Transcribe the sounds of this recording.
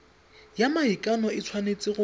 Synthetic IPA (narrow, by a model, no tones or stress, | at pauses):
jamaikʼanɔɪt͡sʰwanet͡sʼɪɣʊ